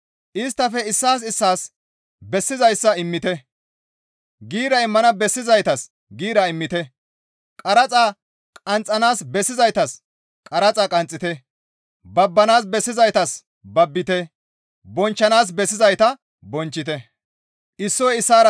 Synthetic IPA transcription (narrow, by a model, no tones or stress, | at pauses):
ʔɪs̬t̪ːɐfɛɪsːaːs̬ɪsːaːs | bɛsːɪzɐjsːɐɪmːɪt̪ɛ | ɡiːɾɐɪmːɐnɐbɛsːɪzɐjt̪ɐs | ɡiːɾɐɪmːɪt̪ɛ | kʼɐɾɐt͡sʼaː | kʼɐnt͡sʼːɐnaːsbɛsːɪzɐjt̪ɐs | kʼɐɾɐt͡sʼaːkʼɐnt͡sʼːɪt̪ɛ | bɐbːɐnaːs̬bɛsːɪzɐjt̪ɐs | bɐbːɪt̪ɛ | bɔnt͡ʃːɐnaːs̬bɛsːɪzɐjt̪ɐ | bɔnt͡ʃːɪt̪ɛ | ʔɪsːɔjɪsːaːɾɐ